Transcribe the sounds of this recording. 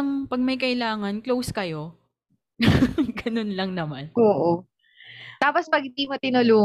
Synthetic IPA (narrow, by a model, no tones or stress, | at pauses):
ɐŋpɐɡ̚mɐjkɐʔɪlaːŋɐnklowskɐjo̞ | ɡɐnonlɐŋnɐmanʔoːʔo | t̪aːpospɐɡ̚ɪd̪iːmot̪ɪnʊluː